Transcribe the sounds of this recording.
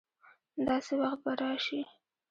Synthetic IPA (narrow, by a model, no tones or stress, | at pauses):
d̪ɑsewaxt̪̚baɾɑʃi